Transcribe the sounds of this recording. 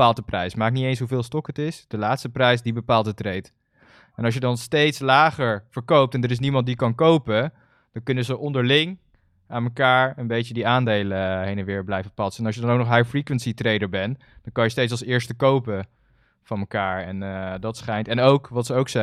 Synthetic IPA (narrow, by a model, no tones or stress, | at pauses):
aːlˠdəprɛjsmaːk̚nitejnsɦuvɪːlˠstɔkətɪsd̥əlaːtstəprɛjsdibəpaːlˠdətrejt | ɛnɑʃ̬jədɑnstejtslaːχəɹv̥əɹkowp̚tɛndəɾɪs̬nimɑnt̚dikɑnkowpə | d̥ɑnkɵnəzəʔɔndəɹlɪŋ | aːnməkaːɹənbejcədiaːndejləɦejnɛnʋɪːɹblɛjvəpɑsəɛnɑlʃjədɑnowknɔχɦajfrikʋɛntsitrejdəɹbɛn | d̥ɑnkɑnjəstejtsɑlˠsɪːɹstəkowpə | v̥ɑnməkaːɹɛndɑtsχɛjntɛnowkʋɑtsəowksɛ